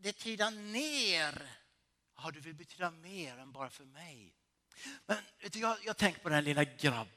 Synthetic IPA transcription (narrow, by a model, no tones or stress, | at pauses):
d̪ɛt̪ʰyːd̪aneːɾ | ɔd̪ɵvɪlbɛt̪ʰyːd̪ameːɾɛnbɑːɾafœɾmɛj | mɛnvet̪əjɑːjɑːɡt̪ʰɛŋkə̥pʰɔd̪ɛnlɪlːaɡɾa̰b